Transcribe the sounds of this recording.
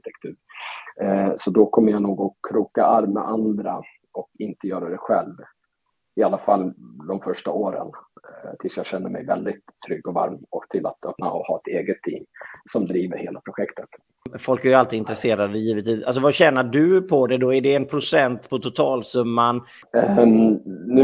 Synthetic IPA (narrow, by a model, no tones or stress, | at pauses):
t̪ʰɛkt̪ʰʉ̟ːɾ | sɔd̪ɔkʰɔmːəjanuːɡɔkʰɾuːkaaɾmɛ̰ʔand̪ɾa̰ | ɔkɪnt̪əjœːɾad̪ɛɧɛlv | ɪalːafalːd̪ɔmfœʂʈaoːɾə̰nt̪ʰɪlsjɑːɡɕɛnːəɾmɛ̰jvɛld̪ɪt̪ʰːɾʏɡːɔva̰ɾmɔkt̪ʰɪla̰t̪œpna̰ɔhɑ̰ːɛt̪eːɡət̪ʰːɪ̰mːsɔmd̪ɾiːvəɾheːlapʰɾʊɧɛkt̪ət̪ | fɔlkæɾjɵalt̪iːɪnt̪ɾɛseːɾad̪əjiːvət̪viːsals̬ɔvaɕɛːnaɖɵpʰɔd̪ɛd̪ɔæɖɛːnpʰɾʊsɛnt̪pʰɔt̪ʰʊt̪ʰɑːlsɵmːan | n